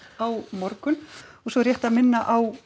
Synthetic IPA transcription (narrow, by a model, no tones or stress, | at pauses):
awmɔɾkʏnɔsɔɾjɛht̪aðmɪnːaʔaw